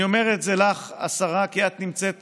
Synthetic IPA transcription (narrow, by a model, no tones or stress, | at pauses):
o̞me̞ʁet̪zelaχa̰saʁakiat̪nimt͡set̪